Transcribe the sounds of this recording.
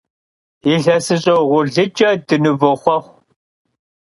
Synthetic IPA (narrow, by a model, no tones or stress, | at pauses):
iɬɐsɨɕʼɐwʁʷʊɮɨt͡ʃʼɐdɨnɨvɨχʷɐχʷ